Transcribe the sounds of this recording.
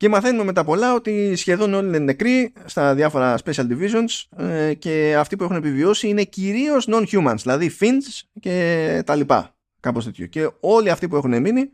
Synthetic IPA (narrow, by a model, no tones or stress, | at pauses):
cemɐθe̞nume̞me̞t̪ɐpo̞lɐo̞t̪isçe̞ðo̞no̞linene̞kɾist̪ɐðɐfo̞ɾɐspe̞siɐld̪ivizo̞nsce̞ɐft̪ipue̞xunepivio̞siine̞ciɾio̞zno̞nçumɐnzðilɐðifinsce̞t̪ɐlipɐ̰ | kɐpo̞st̪e̞t̪ço̞̰ce̞o̞liɐft̪ipue̞xune̞mini